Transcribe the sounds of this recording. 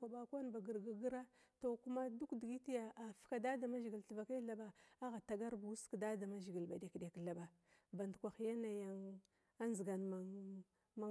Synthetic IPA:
kʷa˨ba˨kʷa˦nba˨ɡi˨ɾɡa˦ɡi˦ɾa˦to˨ku˦ma˦du˦kdi˨ɡi˦ti˦ja˨ʔa˨fka˨da˦da˨ma˦ʒi˨ɡi˨lɬi˨va˨ka˦ɬa˨ba˨a˦ɣa˨ta˨ɡa˦ɾbu˨u˦skda˦da˨ma˦ʒi˨ɡi˨lba˨de˨kde˨kɬa˨ba˨ | ba˨ndkʷa˨xja˦na˨ja˨ŋ | a˦nzi˨ɡa˨nma˨ | ma˨

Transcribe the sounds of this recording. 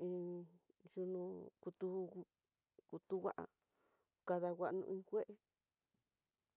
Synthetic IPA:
ĩ˧ | ju˧nũ˧ku˧t̪u˧ | ku˧t̪u˧wʷa˦ʔa̰˧ | ka˧ða˧wʷa˧ʔnṵ̃˧ĩ˦˧kʷe˦ʔe˧

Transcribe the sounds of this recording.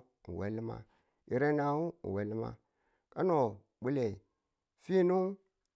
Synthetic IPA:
n̩˨wḛ˨˦li˦ma̰˨ | i˨ɾe˦na˨u˦˨we˨li˦ma̰˦ | ka˦no˨ | ɓu˦le˨ | fi˦nu˦ŋ

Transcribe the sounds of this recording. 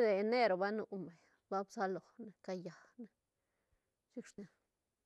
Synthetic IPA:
d̪e˨ne˦ɾo˨ba˦nu˧ʔme˨ | ba˦bsa˦lo˨ne˧ka˧ja˨ | ne˦ | t͡ʃi˦kʂna˧˦

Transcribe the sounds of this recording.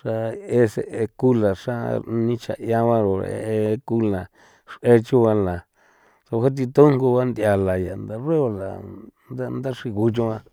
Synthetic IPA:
ʂa˧e˦se˧e˧ku˦la˨ʂa˦nĩ˧t͡ʃa̰˧jã˧βã˦ɾo̰˨˧ḛ˧e˧ku˦lã˨ | ʂe˧t͡ʃu˦βa˧la˨ | so˧ha˦t̪̬i˧t̪o˦ŋku˧βa˦nd̪ja˧˨la˨ja˨nd̪a˧re˦βa˧la˨nd̪a˦nd̪a˦ʂi˧ɣu˧t͡ʃũ˧a˧

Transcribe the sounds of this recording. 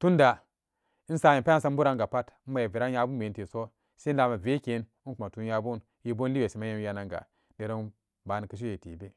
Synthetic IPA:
tu˦nda˨ | i˦n̩˦sa˦ji˨pa˦a˦n˦sa˦m˦bu˦ɾa˦ŋɡa˨pa˦tːa˨je˨vi˨ɾa˦nja˦bu˦me˨˦n˦ti˨so˦ | se˦n˦la˨ma˨ve˦ke˨˦ni˦nku˨ma˨tu˨˦ja˦bu˦n | ji˦bo˦n˦li˦be˨si˨ma˦je˦m˦ja˨na˨ŋɡa̰˨ | de˨ɾo˦n | ba˨ni˨kə˨ʃ̬i˦je˨tḭ˨be˦

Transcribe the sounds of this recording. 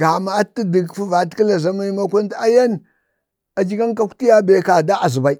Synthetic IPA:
ɡa˨ma˨a˦tːi˦di˨kfu˦va˨˦tki˦la˨za˦ma˦i˦ma˦kʷa˦n˦ta˦ja˦n | a˨d͡ʒi˦ka˦nka˦kʷu̥˦ti˦ja˦be˨ka˨da˦ʔa˨zi˨ba˨i˦

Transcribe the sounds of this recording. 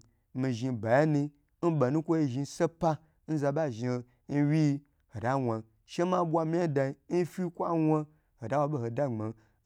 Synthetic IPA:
mi˨ʒi˧ba˨ja˦ni˧ | n̩˦ba˨nu˦kʷo˦ji˧ʒi˧˦sa˦pa˦ | n̩˦za˧ba˦˨ʒi˨˧ | n̩˦wi˦˧ | ho˨da˦wa˨ | ʃe˦ma˦bʷa˧mi˦a˦da˧i˧n̩˦fi˦kʷa˦wʷa˦ | ho˨da˦wa˧bo˦ho˨da˦˨ŋ͡ma˨

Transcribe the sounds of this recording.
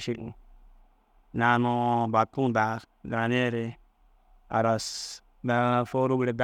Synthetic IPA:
ʃi˦k̩˨ | na˨no˨ba˨tũ˦˨da˨˦na˨ne˦˨ɾe˦ | a̰˨ɾa˨s | da˨fo˦ɾu˦ɡɾe˨da

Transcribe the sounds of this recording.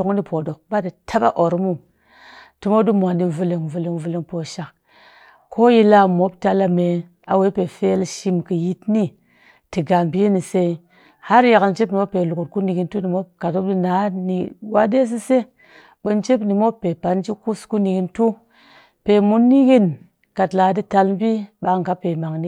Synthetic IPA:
o˨ŋni˦po˨do˨k̚ba˦di˨tʰa˦ɓa̰˦ʔo˨ɾmu˦ | tu˨mo˦du˦mʷ˨a˨ndi˦vu˧li˨ŋvu˨li˨ŋvu˨li˨ŋpo˨ʃa˨k | kʰo˦ji˦la˦mo˨˦b̚ta˧la˦me˨ | a˨we˨˦pe˨fe˦lʃi˦mkɨ˨ji˦tni˦ | ti˨ɡa˨mbi˦jni˨se˧i˦ | ha˦ɾja˨ka˨lt͡ʃe˦pni˨mo˦pe˨lu˨ku˨t̚ku˦ni˨ɡi˦ntu˦ni˨mo˦ka˨to˦b̚di˦na˨˦ni˨wa˦de˦s̬i˦se˦ | ɓə˨nt͡ʃe˦pni˨mo˦pːe˨pa˨nd͡ʒi˦ku˦sku˦ni˨ɡi˦ntu˦ | pe˨mu˦nːi˦ɡi˦n | ka˨tla˨˦di˦ta˧lm˦bi˦ɓa˨ŋ˨ɡa˦pe˨ma˨ŋni˦

